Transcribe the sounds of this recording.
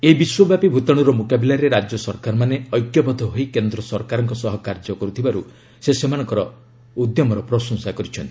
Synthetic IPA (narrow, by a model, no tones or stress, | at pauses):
eibiswɔbjapibʱut̪ɔɽ̃uɾɔmokabilaɾeɾad͡ʒjɔsɔɾkaɾmaneɔjkjɔbɔd̪ʱɔɦoikend̪ɾɔsɔɾkaɾɔŋkɔsɔɦɔkaɾd͡ʒɔkɔɾut̪ʰibaɾu | sesemañɔ̃ŋkɔɾɔ | ud̪jɔmɔɾɔpɾɔsɔŋsakɔɾit͡ʃʰɔnt̪i̥